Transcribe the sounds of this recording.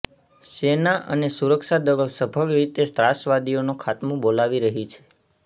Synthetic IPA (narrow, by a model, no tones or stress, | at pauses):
senaʔə̰nesuɾəkʃad̪əɡəlsəbʱəɡɾit̪est̪ɾasʋad̪ionũkʰat̪mũbolaʋiɾəɦit͡ʃʰe̥